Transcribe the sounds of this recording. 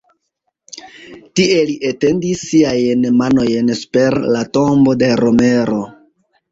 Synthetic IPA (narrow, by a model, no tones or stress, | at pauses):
tie̞liʔete̞ndisːiajnmano̞jnspe̞ɾlato̞mbo̞de̞ɾo̞me̞ɾo̞